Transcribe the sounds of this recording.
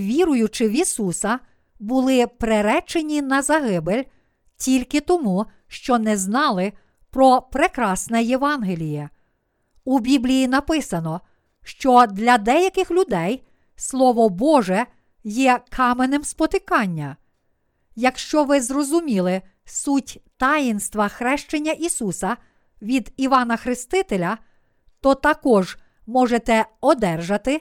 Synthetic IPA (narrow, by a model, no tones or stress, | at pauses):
ʋʲiɾʊjʊt͡ʃɪʋʲisusɐ | bʊlˠɪpɾeɾɛt͡ʃenʲinɐzɐɦɪbelʲ | tʲilʲkɪt̪ɔmu | ʃt͡ʃɔnɛznɑlˠɪ | pɾɔpɾɪkɾɑsnɛjeʋɑnɦelʲijɛ | ubʲiblʲijinɐpɪsɐnɔ | ʃt͡ʃɔd̪lʲɐd̪ɛjɐkɪxlʲʊd̪ɛj | slˠɔʋɔbɔʒɛ | jɛkʰɑmenɪmspɔt̪ɪkɑnʲːɐ | jɐkʃt͡ʃɔʋɪzrɔzʊmʲilˠɪ | sutʲt̪ɑjinst̪ʋɐxɾɛʃt͡ʃenʲːɐʔisusɐ | ʋʲid̪iʋɑnɐxɾɪst̪ɪt̪elʲɐ | t̪ɔt̪ɐkɔʒ | mɔʒet̪ɛɔd̪ɛrʒɐt̪ɪ